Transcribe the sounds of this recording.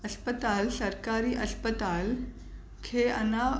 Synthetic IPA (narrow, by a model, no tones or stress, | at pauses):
əspət̪alsəɾkaɾiːʔəspət̪al | kʰeə̰na